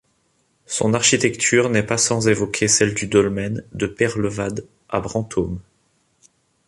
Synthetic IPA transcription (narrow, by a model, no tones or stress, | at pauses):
sɔ̰̃naʁʃit̪ɛkt̪ʰyʁnɛpasɑ̃zevɔkʲʰesɛld̪yd̪ɔlmɛnd̪əpɛʁləvad̪ | a̰bʁɑ̃t̪ʰom